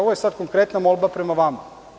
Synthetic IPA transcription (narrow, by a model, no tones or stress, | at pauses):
oʋojesad̪̚koŋkɾet̪namolˠbapɾemaʋama